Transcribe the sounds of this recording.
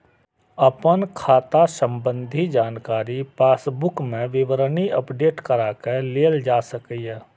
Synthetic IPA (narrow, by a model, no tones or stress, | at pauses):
əpənkʰaːt̪asə̃mbə̃nd̪ʱid͡ʒaːnkaːɾipaːsbʊkmẽʋɪʋəɾəniʔəpɖeːʈkəɾaːkeleːld͡ʒaːsəkiɦɛː